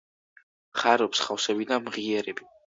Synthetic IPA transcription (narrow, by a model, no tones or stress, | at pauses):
χaɾɔpsχafsɛbid̪amʁiɛɾɛbi